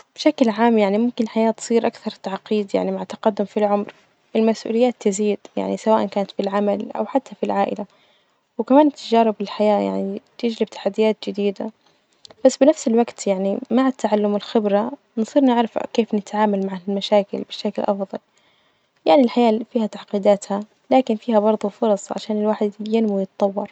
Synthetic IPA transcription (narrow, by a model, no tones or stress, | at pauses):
b̥ʃaklʕaːmjaʕnimʊmkɪnħajaːt̪sˤiːɾʔakθɑɾˤt̪aʕqiːd̪ja̰ʕnimaʕat̪ːɑqɑd̪ːʊmfilʕʊmɾ | ʔɪlmasʔṵlɪjːaːt̪ːɪziːd̪ja̰ʕnisawaːʔankaːnat̪filʕamalʔa̰wħat̪ːafilʕaːʔɪla | wɪkamaːnt̪ʰːad͡ʒɑːɾɪbɪlħajaːja̰ʕnit̪ɪd͡ʒlɪb̚t̪ḁħad̪ːɪjaːt̪̚d͡ʒɪd̪iːd̪a̰ | b̥asːbɪnafsɪlwaɡt̪jaʕnimaʕat̪ːaʕalːʊmɪlxɪbɾa | nsˤiːɾnɪʕɾɑfkeːfnɪt̪ʕaːmalmaʕalmaʃaːkɪ̰lbɪʃːakɪlʔɑfðˤɑl | jaʕnilħajaːfiːhat̪aʕqiːd̪aːt̪ha | laːkɪnfiːhabɑɾˤðˤufʊɾˤɑsˤʕa̰ʃaːnɪlwaːħɪd̪janmujɪt̪t̪ˤːɑwːɑɾˤ